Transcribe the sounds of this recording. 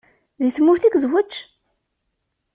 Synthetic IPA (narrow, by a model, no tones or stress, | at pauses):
ðiθmːʊɾθiɡzwət͡ʃː